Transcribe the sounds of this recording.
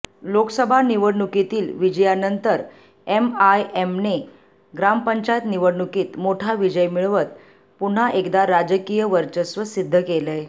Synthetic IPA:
loksəbʱaniʋəɽɳukit̪iːlʋid͡ʑəjanənt̪əɾ | emajemne | ɡɾampəɲt͡ɕajt̪niʋəɽɳukiːt̪moʈʰaʋid͡ʑəjmiɭʋət̪ | puɳ̤aʔekd̪aɾad͡ʑəkijəʋəɾt͡ɕəsʋəsid̪ʱːəkeləj

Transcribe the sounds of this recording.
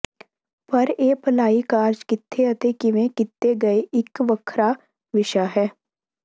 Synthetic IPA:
pɐɾeːpɐlaːikaːɾd͡ʒkɪt̪ʰːeɐt̪ekɪʋẽkɪt̪ːeɡɐeʔɪkʋəkʰɾa | ʋɪʃaɦɛː

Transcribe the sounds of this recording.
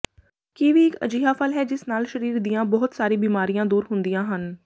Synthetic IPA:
kiːʋiːɪkə̰d͡ʒiːɦaːfʰəlɦɛːd͡ʒɪsnaːlʃəɾiːɾd̪ijãːbɔɦʊt̪saːɾiːbiːmaːɾijãːd̪uːɾɦʊnd̪ijãːɦən

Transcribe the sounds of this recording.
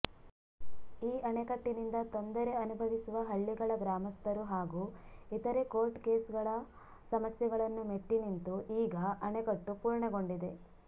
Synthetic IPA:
iːʔɐɳekɐʈːinind̪ɐt̪o̞nd̪ɐɾe̞ɐnubʱɐʋisuʋɐɦɐɭːiɡɐɭɐɡɾaːmɐst̪ʰɐɾuɦaːɡuːit̪ɐɾekoːɾʈkeːsɡɐɭɐ | sɐmɐsjɐɡɐɭɐnːumeʈːinint̪uʔiːɡɐʔɐɳekɐʈːupuːɾɳɐɡo̞ɳɖid̪e̞

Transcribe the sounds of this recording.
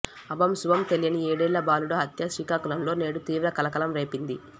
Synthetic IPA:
ɐbɐmsuʋɐmt̪elijɐnieːɽeːlːɐbaːluɽɐɦɐt̪jɐʃiːkaːkulɐmlo̞ːne̞ːɽut̪iːʋɾɐkɐlɐkɐlɐmɾe̞ːpind̪i

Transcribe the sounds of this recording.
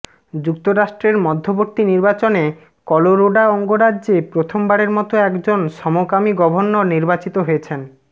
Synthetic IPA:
d͡ʑuk̚t̪oɾaʃʈɾeɾmɔd̪ʱːoboɾt̪iniɾbat͡ɕone | kɔloɾoɖaɔŋɡoɾaːepɾot̪ʰombaɾeɾmɔt̪oɛkd͡ʑonʃɔmokamiɡɔbʱonːoniɾbat͡ɕit̪oɦojet͡ɕʰen

